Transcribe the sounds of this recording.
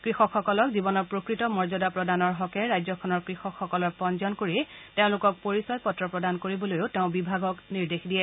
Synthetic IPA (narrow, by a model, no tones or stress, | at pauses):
kɹixɔkxɔkɔlɔkzibɔnɔɹpɹokɹitɔmɔɹzɔdapɹɔdanɔɹɦɔkɛɹajzɔkʰɔnɔɹkɹixɔkʰːɔkɔlɔɹpɔnzɔnkoɹiteʊ̃lʊkɔk̚poɹisɔjpɔtɹɔpɹɔdankoɹibɔlojʊteʊ̃bibʱaɡɔkniɹdexdijɛ